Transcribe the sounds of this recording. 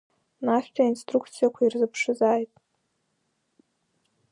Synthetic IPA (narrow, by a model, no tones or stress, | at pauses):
naχʲᶣtʷʰʼainstrukʰt͡sʰijakʷʰairzɨpʰʂɨzaːjtʼ